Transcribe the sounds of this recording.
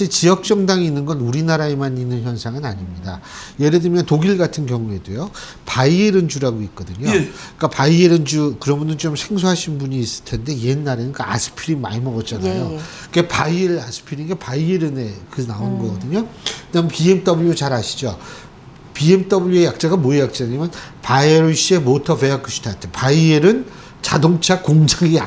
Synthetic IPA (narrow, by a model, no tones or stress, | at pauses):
aɕʰiɭt͡ɕijʌk̚t͡ɕ͈ʌŋdaŋiinːɯnɡʌnuɾinaɾaemaninːɯnçjʌnsʰaŋɯnaɲimɲida̰je̞ɾedɯmjʌntoɡiɭɡatʰɯnkjʌŋue̞dwejo | paieɾɯnd͡ʑuɾaɡoik̚k͈ʌdɯɲok͈apaieɾɯnd͡ʑukɯɾʌmunɯnt͡ɕomsʰe̞ŋsʰoɦaɕʰinbuɲiːs͈ɯ̥ɭtʰe̞nde̞je̞nːaɾenɯk͈aa̰sʰɯ̥pʰiɾinma̰imʌɡʌt̚t͡ɕ͈anajo | kɯkepaieɾasʰɯ̥pʰiɾinɡepaieɾɯnekɯnaonɡʌɡʌdɯɲokɯdampiemt͈ʌbuɭjot͡ɕaɾɦaɕʰi̥d͡ʑo | piemt͈ʌbuɭjoejak̚t͡ɕ͈aɡamoejak̚t͡ɕ͈aɲimjʌnpajeɭɕ͈ie̞motʰʌfeakʰɯɕʰi̥tʰatʰepaieɾɯn | t͡ɕadoŋt͡ɕʰakoŋd͡ʑaɡia